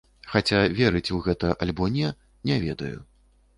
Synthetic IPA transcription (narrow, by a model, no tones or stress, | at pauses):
xat͡sʲavʲɛɾɨt͡sʲuɣɛt̪ɐʔalʲbɔnʲɛ | nʲɛvʲɛd̪ɐ̰jṵ